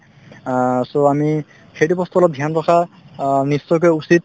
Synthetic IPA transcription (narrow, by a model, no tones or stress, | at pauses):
soami | xejtupɔst̪uɔlɔp̚dʱjanpɔkʰa | nisːɔjk̬ɔjusit̚